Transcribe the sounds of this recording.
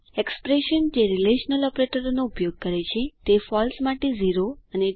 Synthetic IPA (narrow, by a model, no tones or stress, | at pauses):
ekspɾeʃənd͡ʒeɾileʃnəlɔpɾeʈəɾonoupjoɡ̚kəɾet͡ʃʰet̪efɔlsmaʈeziɾoəne